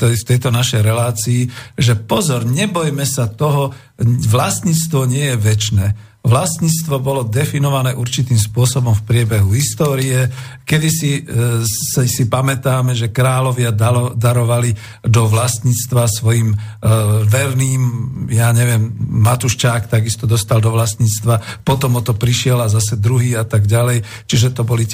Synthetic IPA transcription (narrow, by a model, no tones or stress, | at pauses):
ɛft̪ɛjt̪ɔnaʃɛjɾɛlaːt͡siːʒɛpɔzɔɾɲɛbɔjmɛsat̪ɔɦɔ | ʋlast̪ɲiːt͡st̪ʋɔɲɪɛjɛʋɛt͡ʃnɛː | ʋlast̪ɲiːt͡st̪ʋɔbɔlɔd̪ɛfinɔʋanɛːʔuɾt͡ʃit̪iːmspʊɔsɔbɔmfpɾɪɛbɛɦuɦist̪ɔːɾiɛ | kɛd̪isi | ssipamɛt̪aːmɛʒɛkɾaːlɔʋɪad̪aɾɔʋali | d̪ɔʋlast̪ɲiːt͡st̪ʋasʋɔjim | ʋɛɾniːmjaɲɛʋɪɛmːat̪uʃt͡ʃaːkt̪aɡist̪ɔd̪ɔst̪ald̪ɔʋlast̪ɲiːt͡st̪ʋapɔt̪ɔmɔt̪ɔpɾiʃɪɛlazasɛd̪ɾuɦiːat̪aɡɟalɛj | t͡ʃiʒɛt̪ɔbɔli